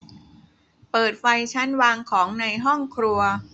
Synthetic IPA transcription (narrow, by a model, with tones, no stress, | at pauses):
pɤː˨˩t̪̚fa˧jt͡ɕʰa˦˥nwaː˧ŋkʰɔː˩˦ŋna˧jɦɔ˥˩ŋkʰɾu˧ɐ